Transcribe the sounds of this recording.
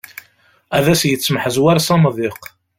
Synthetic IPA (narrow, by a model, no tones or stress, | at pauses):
æðæsjət͡sːməħəzwæɾsɑmðˤiq